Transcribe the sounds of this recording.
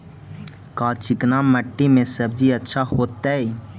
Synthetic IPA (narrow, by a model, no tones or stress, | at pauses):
kaːlt͡ʃɪknaməʈːimẽsəb̚d͡ʒiətːʃʰaɦoːt̪ːae